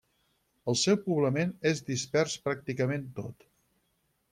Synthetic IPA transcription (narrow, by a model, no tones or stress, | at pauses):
əlˠsɛwpuβləmenezd̪ispɛrspɾak̚t̪ikəment̪o̰t̪